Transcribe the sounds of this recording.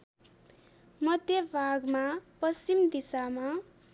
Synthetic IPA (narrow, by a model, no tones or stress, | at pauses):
mʌd̪ʱjʌbʱaɡmapʌst͡ɕimd̪isama